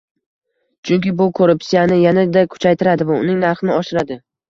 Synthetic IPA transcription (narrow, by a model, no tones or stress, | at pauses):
t͡ʃʰʊŋkʲɪbʊkʰoɾʊpsijanɪjanad̪akʲʰʊ̥t͡ʃʰajt̪ʰɪɾad̪ɪvaʊnɪŋnaɾχɪnɪɒʃɪɾad̪ɪ